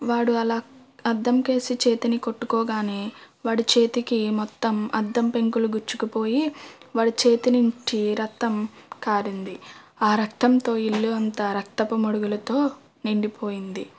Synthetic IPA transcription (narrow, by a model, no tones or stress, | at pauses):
ʋaːɽuɐlaːɐd̪ːɐmke̞ːsit͡ʃe̞ːt̪iniko̞ʈːukɔːɡaːneː | ʋaːɽut͡ʃe̞ːt̪ikimɔt̪ːɐmɐ̰d̪ːɐmpe̞ŋkuluɡuɾt͡ʃːukupo̞ːjiʋaːɽut͡ʃe̞ːt̪inuɲt͡ʃiɾɐt̪ːɐmkaːɾind̪iaːɾɐkt̪ɐnt̪o̞ːilːuɐnt̪ɐɾɐk̚t̪ɐpɐmoɽuɡulɐt̪o̞ː | niɳɖipʰo̞ːjind̪i